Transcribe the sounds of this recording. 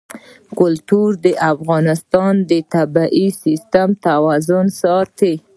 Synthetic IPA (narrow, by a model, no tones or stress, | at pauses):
kʊlt̪uɾd̪əʔafɣɑnɪst̪ɑnd̪ət̪abaʔisist̪amt̪awɑzʊnsɑt̪e